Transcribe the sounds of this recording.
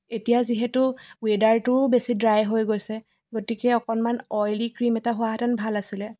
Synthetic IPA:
etijaziɦɛtʊwedaɹtʊbesidɹajɦojɡojsɛ | ɡotikɛɔkɔnmanɔjlikɹimɛtaɦʊaɦatanbʱalasilɛ

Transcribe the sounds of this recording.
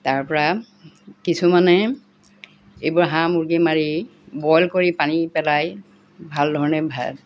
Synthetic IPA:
taɹpɔɹa | kisumanɛ | ejbʊɹɦãmuɹɡimaɹi | bɔjlkoɹipanipɛlaj | bʱaldʱɔɹɔnɛbʱa̰

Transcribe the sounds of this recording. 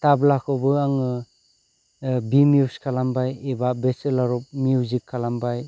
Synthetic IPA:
tablakʰɔbɯaŋɯ | bimjuskʰalambajebabeselaɾɔp̚miuzikʰːalambaj

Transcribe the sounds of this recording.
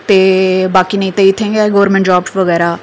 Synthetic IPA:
t̪eːbaːkiːnə̃ĩːt̪eɪt̪ʰːẽːŋɡɛːɡəʋəɾmẽɳʈd͡ʒaːbʋəɡɛːɾaː

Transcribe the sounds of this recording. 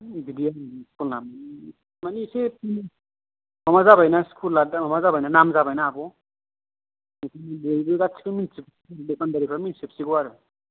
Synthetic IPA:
bidijaskulnam | manisepin | mamazabajnaskʰulːadamamazabajnanamzabajnaːbɔ | kibejbɯɡasʰi̥kiminsipsiadekʰandaɾipʰaminsip̚siɡɯwaɾɯ

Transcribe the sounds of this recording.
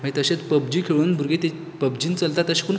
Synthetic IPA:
mə̃it̪əɕet͡spəb̚d͡ʑiːkʰeɭuːnbʱuɾɡet̪e | pəbd͡ʑiːnt͡səlt̪at̪əɕe̥kun

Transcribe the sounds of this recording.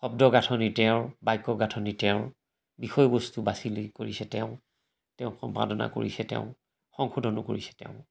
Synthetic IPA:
xɔb̚dɔɡatʰɔnitɛʊɹbajkːɔɡatʰɔnitɛʊ̃ɹ | bixɔjɔbɔstubasilikoɹisɛtɛʊ̃ | tɛʊ̃kɔmpa̰dɔna̰ko̰ɹḭsɛtɛ̰ʊ̃ | xɔŋxʰudʱɔnɔ̰koɹisɛ̥tɛ̰ʊ̃

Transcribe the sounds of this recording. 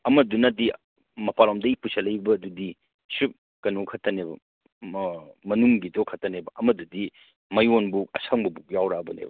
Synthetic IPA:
ɐmɐdunɐdi | mɐpalomdɐipusɐlɐjbɐːdudi | sup̚ | kɐnokʰɐtʰːɐnebɐ | mɐnuŋɡidɔkʰɐtɐnebɐʔɐmɐdudi | mɐjonbukɐsʰaŋbɐbuk̚jawɾaɐbɐnḛbɐ

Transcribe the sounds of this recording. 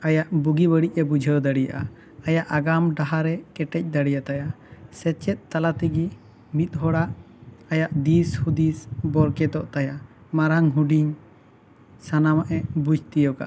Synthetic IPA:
ajaʔbuɡibəɽic̚ɛbud͡ʒʱəd̪aɽija̰ʔa | ajaʔaɡamɖaɦaɾɛkɛʈɛc̚d̪aɽijat̪aja | sɛt͡ʃɛt̪̚t̪alat̪ɛɡi | mit̪̚ˀɦɔɽaʔ | ajaʔd̪ishud̪isbɔɾkɛt̪ɔʔt̪aja | maɾaŋɦuɖiɲ | sanamaʔɛbud͡ʒʱt̪ijɔka̰ʔ

